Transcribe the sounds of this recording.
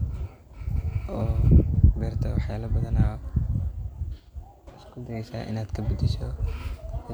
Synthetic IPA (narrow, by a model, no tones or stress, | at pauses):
ʔɔːbɛːɾt̪ʰɐwaħjaːlɐbɐðɐnaː | ɪskʰʊd̪ɐɡɛjsa̰ːʔɪ̰naːd̪̥kʰɐbʊd̪ɪsɔ̰